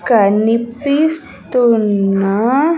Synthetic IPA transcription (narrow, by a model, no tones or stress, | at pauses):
kanipis | t̪una